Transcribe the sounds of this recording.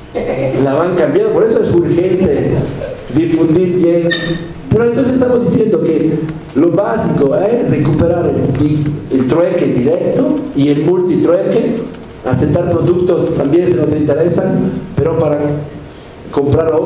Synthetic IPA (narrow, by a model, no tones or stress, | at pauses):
laβaŋkambjanðd̪opoɾesoesuɾxe̞nt̪e | d̪ifund̪iɾβjen | peɾoent̪onsesest̪amozðisjend̪oke | lo̞βasikoesrekupeɾaɾeldielt̪ɾwekeðd̪iɾek̚t̪oielmult̪it̪ɾweke | a̰set̪ːaɾpɾoðukt̪o̞st̪ambjensenot̪e̞int̪eɾesanpeɾo̞paɾa | ko̞mpɾaɾ